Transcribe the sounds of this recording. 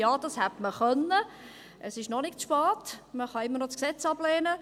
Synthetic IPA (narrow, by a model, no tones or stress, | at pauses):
jɑːd̥̪ɑshætməχœnːə | ʔəsɪʃnɔnɪkt͡sʃpɑːtməχɑɪmːəɾnɔt͡sksɛt͡sɑblɛːnə